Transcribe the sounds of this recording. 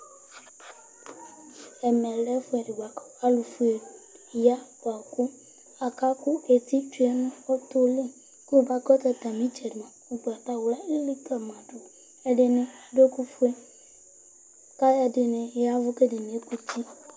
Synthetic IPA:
e˨mɛ̃˨lɛ˦fʊ˦ɛ˨ɖi˨ɡ͡ba˨kɔ˦a˨lu˨fu˨e˨ | ja˦ɡa˨ku˦ | a˨ka˦ku˦e˨t̪i˦t͡ʃu˦ɛ˦nũ˦o˦t̪o˦li˦ | ku˦ba˦kɔ˦t̪a˦t̪a˨mĩ˦t͡ʃɛ˨ɖmã˨o˦ɡ͡bu˨a˨t̪a˦wʊ˨la˦li˦ka˨mã˨ɖo˨ | e˨ɖe˨nẽ˨ | ɖe˦ku˦fu˦e˦ | ka˦ja˨ɖe˨nẽ˨je˦a˦vʊ˦ke˦de˨nẽ˨˦ku˦ti˦

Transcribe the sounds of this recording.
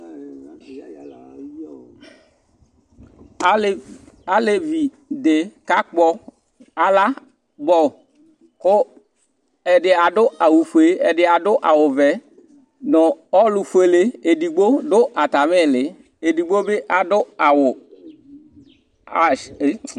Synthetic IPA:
a˦le˨vi˨ | de˨ka˦k͡pɔ˦ | a˨la˦ | bɔ˨ | kʊ˦ | ɛ˨dɪ˨a˨dʊ˦a˨wu˨fu˨e˨ɛ˨dɪ˦a˨dʊ˦ʔa˨wʊ˨vɛ˨ | nɔ˨ɔ˦lʊ˨fu˦e˨le˨e˨di˨ɡ͡bo˦dʊ˦ʔa˨ta˨mɪ˦˨lɪ˨˦ | e˨di˨ɡ͡bo˦bɪ˦ʔa˨dʊ˦a˨wʊ˨ | a˨

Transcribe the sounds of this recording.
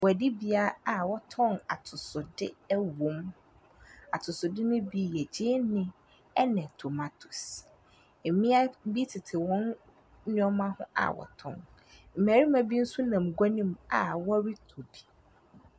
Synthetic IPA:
wɔ˨di˦bi˦a˦a˨wɔ˦tʰɔ̃˦na̰˨tʰʊ˨sʊ˨dɪ̰˦ɛ˦wõ˨˦m | a˨tʰʊ˨sʊ˨dɪ˦nʊ̃˦bi˦jɛ˨d͡ʑiː˦nɪ̃˦ | ɛ˦nɛ̃˨tʰo˨ma˨tʰu̥˨s | m̩e˨mĩ˦a˦bi˦tʰɪ˨tʰɪ˨wɔ̃˦nː | ʊ̃˦ɔ˦mã˦hʊ̃˦ʔa̰˨wɔ̰˨tʰɔ̰̃˦˨n | m̩˨mæ˨ɾi˦mã˨bi˦n̩˦su˦nã˨m˨ɡa˦nĩ˦˨ma˨wɔ˦ɾi˦tʰo˨bi˨

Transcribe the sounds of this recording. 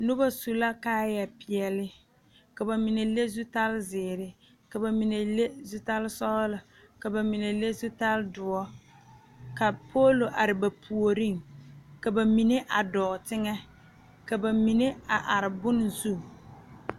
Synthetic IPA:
nʊ˦ba˦su˨la˦kaː˦ja˨pɪ˨ɛ˨lɪ˦ | ka˨ba˨mi˨ne˨le˦zu˦ta˦lzɪː˨ɾɪ˨ | ka˨ba˨mi˨ne˨le˦zu˦ta˦lsɔ˦la˨ | ka˨ba˨mi˨ne˨le˦zu˦ta˦ldʊ˨ɔ˦ | ka˨po˦lo˨ʔa˨ɾɪ˨ba˨pʰu˨o˨ɾi˦˨ŋka˨ba˨mi˨ne˦ʔa˨dɔ˨tɪ˦ŋɛ˦ | ka˨ba˨mi˨ne˦a˨ʔa˨ɾɪ˨bʊ˦n˨zu˦˨

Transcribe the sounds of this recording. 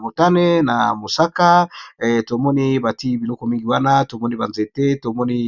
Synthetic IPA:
mu˨ta˦nɛ˦na̰˨mu˨sa˦ka | to˨mɔ˦ni˦ba˨ti˦bi˨lɔ˦kɔ˨mi˦ŋɡi˨wa˦nato˨mɔ˦ni˨βa˨nzɛ˨tɛ˦to˨mɔ˦ni˦

